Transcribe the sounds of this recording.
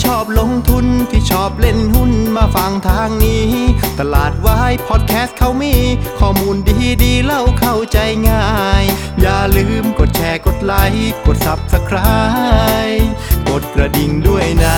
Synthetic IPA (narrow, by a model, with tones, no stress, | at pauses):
t͡ɕʰɔː˥˩p̚lo˧˥ŋt̪ʰu˧np̪ʰi˧˩t͡ɕʰɔː˧˩p̚le˧˥˩nhu˧˥˩nmaː˧fa˧ŋt̪ʰaː˧˥ŋniː˧˥t̪a˧laː˨˩t̪̚waː˧ha˥˩jpʰɔː˧˥t̪̚kʰɛː˦˥st̪̚kʰa˧˥˩wmiː˧˥˨kʰɔː˧˩muː˧ndiː˧diː˧la˧˩wkʰa˧˩wt͡ɕa˧jŋaː˧˩j | jaː˧˩lɯː˧mko˨˩t̪̚t͡ɕʰɛː˧˩ko˨˩t̪̚la˧˥jko˨˩t̪̚sa˨˦p̚sa˧kʰɾa˧jko˨˩t̪̚kɾa˧di˨˩ŋdu˥˩əjna˧˥